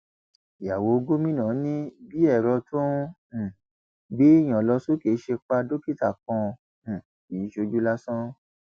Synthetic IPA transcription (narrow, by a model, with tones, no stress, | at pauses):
ja˨wo˨˦˧ɡo˦mĩ˦nã˨˦nĩ˦bi˦ɛ˦˨ɾɔ˧tõ˦˨ | bi˦i˦˨j̃ã˨lɔ˧so˦ke˨˦ʃe˧k͡pa˧do˦ki˦ta˦˨kɔ̃˧˨ | i˨˦ʃo˧d͡ʒu˦la˦sɔ̃˦